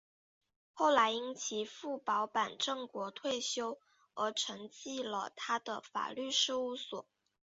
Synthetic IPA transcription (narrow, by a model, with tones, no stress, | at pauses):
xo˥˩ʊla˧˥ɪi˥nt͡ɕʰi˧˥fu˥˩pɑ˧˥ʊpa˨˩nʈ͡ʂɤ˥˩ŋkwɔ˧˥t̪ʰwe˥˩ɪɕjo˥ʊ | ə˧˥ʈ͡ʂʰɤ˧˥ŋt͡ɕi˥˩lə̰˩t̪ʰa˥d̪ə˨˩fa̰˨˩ly˥˧ʂɻ̩˥˧u˥˩swɔ̰˨˩˦